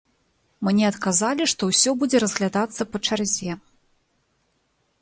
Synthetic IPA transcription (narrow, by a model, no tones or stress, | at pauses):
mɨnʲɛɐt̪kazalʲiʂt̪ɔwsʲɔbud͡zʲɛɾɐzɣlʲad̪at̪sːɐpɐt͡ʂarzʲɛ